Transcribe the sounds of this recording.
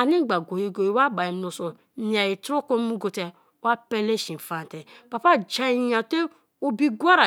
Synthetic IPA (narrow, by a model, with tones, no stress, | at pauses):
a˨˧nĩ˦ɡ͡ba˨ɡo˨ji˧ɡo˨ji˧˦wa˦ba˨i˨m˧˦õ˧˨sɔ˨˦ | ĩ˨˦a˨ji˨to˦kõ˦mũ˦ɡo˧tɛ˧˦ | a˦pɛ˧le˦ʃĩ˨n̩˨fa˨n˨tɛ˨pa˧pa˦˨d͡ʒa˧i˧jã˧te˦ | o˦˧bi˧ɡʷa˦ɾa˨